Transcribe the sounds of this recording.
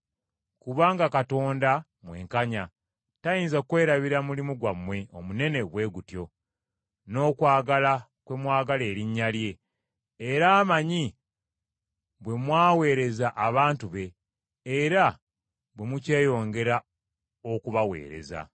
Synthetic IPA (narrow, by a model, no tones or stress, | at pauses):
kuβaːŋɡakato̞ːnda | mwe̞̰ːŋkaɲa | tajiːnzakwe̞ːɾaβiɾamulimuɡwamwe̞o̞̰mune̞ne̞βwe̞ːɡutjo̞ | no̞ːkwaːɡala | kwe̞mwaːɡale̞ːɾiɲːalje̞ː | ɾaːmaɲi | βwe̞mwaːwe̞ːɾe̞zaʔaβaːntuβe̞ː | ɾa | bwe̞muce̞ːjo̞ːŋɡe̞ɾa | okuβawe̞̰ːɾe̞̰za̰